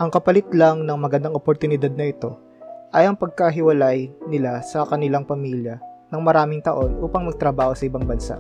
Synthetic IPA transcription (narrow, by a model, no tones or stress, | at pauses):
ʔɐŋkɐpɐlɪt̪laŋnɐŋmɐɡɐnd̪aŋʔopoɾt̪ʊnɪd̪ad̪̚nɐʔɪt̪o̞ | ʔɐjɐŋpɐɡ̚kɐɦɪwɐlajnɪlasɐkɐnɪlaŋpɐmiːljɐnɐŋmɐɾaːmɪŋt̪ɐʔo̞nʔuːpɐŋmɐɡ̚t̪ɾɐbaːho̞sɐʔɪbaŋbɐnsa̰ʔ